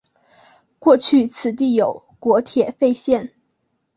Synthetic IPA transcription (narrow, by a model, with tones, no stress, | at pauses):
kwɔ˥˧t͡ɕʰy˥˩t͡sʰɹ̩˨˩t̪̬i˥˩jo˨˩ʊ | kwɔ˧˥t̪ʰjɛ˨˩fe˥˧ɪɕjɛ˥˩n